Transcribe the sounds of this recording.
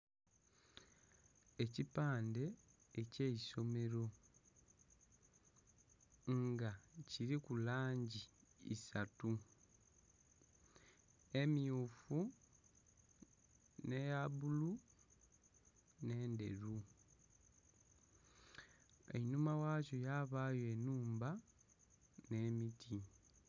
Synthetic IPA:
e̞cipaːnde̞ː | ce̞iso̞me̞ɾo̞ | ɡaciɾikulaːɲɟiḭsatu | e̞miufu | ne̞jabulu | ne̞ːnde̞̰ɾu | ḛnumawaːco̞jaβaːjoenuːmba | ne̞mitʰi

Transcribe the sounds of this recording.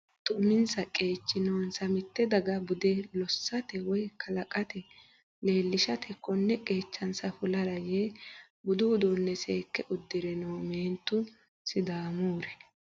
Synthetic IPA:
t̪ʼʊmɪnsɐkʼe̞ːt͡ʃːɪnownsɐmɪt̪ːɛd̪ɐɡɐbʊd̪ɛlɔsːɐt̪ɛwɔjkʰɐlɐkʼɐt̪ɛ | le̞ːlːɪʃɐt̪ʰɛkːɔnːɛkʼe̞ːt͡ʃːɐnsɐfʊlɐɾɐje | bʊd̪ʊːd̪onːɛseːkːɛʔʊd̪ːɪɾɛnowme̞ːnt̪ːʊ | sɪd̪aːmoːɾɛ

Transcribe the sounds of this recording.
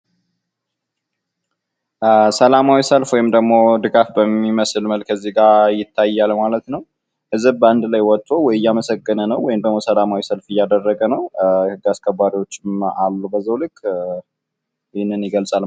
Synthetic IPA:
səlamawisəlfwɔjɪmd̪əɡmo̞d̪ɨɡafbəmːiməsɨlməlkʰəzːiɡajɪt̪ʰːajːalmalət̪nəw | hɨzɨbbəand̪lajwɔt̪ʼːowɔjɪjːaməsəɡʼːənənəwɔjɪmd̪əɡmosəlamawisəlfɨjːad̪ərːəɡənəwhɨɡaskʰəbːaɾiwo̞t͡ʃːɪmalːubəzːəwlɨkʼ | jɪhnːɨnjɪɡəlsʼal

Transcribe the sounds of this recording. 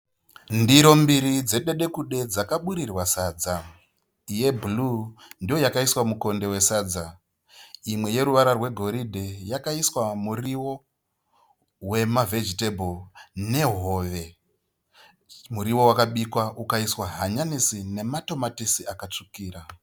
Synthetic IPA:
ndiɾo̞mbiɾid͡ze̞ɗe̞ɗe̞kuɗe̞d͡zakaɓuɾirwasaːd͡za | ije̞bulundijo̞jakaiswamuko̞nde̞we̞saːd͡za | imwe̞je̞ɾuʋaɾarwe̞ɡʱo̞ɾidʱejakaiswamuriwo̞ | we̞mave̞d͡ʒitebʱone̞ɦo̞ːʋe̞ | muɾiwo̞wakaɓikwaukaiswaɦaɲanisine̞mato̞matisiakat͡ʂukiːɾa

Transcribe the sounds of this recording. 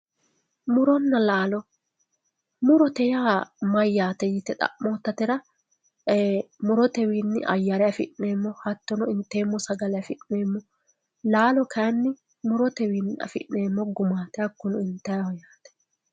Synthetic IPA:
mʊɾɔnːɐlaːlɔ | mʊɾɔt̪ɛjaːmɐjːaːt̪ɛjɪt̪ːɛt̪ʼɐ̰ʔmoːt̪ːɐt̪ɛɾɐ | mʊɾɔt̪ɛwiːnːɪ̰ʔɐ̰jːɐɾɛjɐfɪ̰ʔneːmːɔhɐt̪ːɔnɔɪnt̪ːeːmːɔsɐɡɐlɛjɐfɪʔneːmːɔ | laːlɔkʰɐjɐnːɪ | mʊɾɔt̪ɛwiːnːɐ̰fɪ̰ʔeːmːɔɡʊmaːt̪ɛjɐkːʊnɔɪnt̪ːɐjɐhɔjaːt̪ɛ̥

